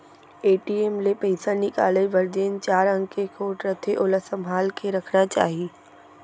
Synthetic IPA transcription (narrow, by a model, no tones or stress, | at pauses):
eːʈiemlepɐɪsanɪkaːleʋɐɾd͡ʒeːnt͡ʃaːɾə̃ŋkekoʈɾət̪ʰeʔoːləsɐmɦaːlkeɾɐkʰnat͡ʃa̰ːɦieː